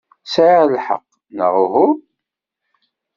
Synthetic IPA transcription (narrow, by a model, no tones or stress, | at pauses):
sʕiʁlħə̰qː | nə̰ʁʊɦʊ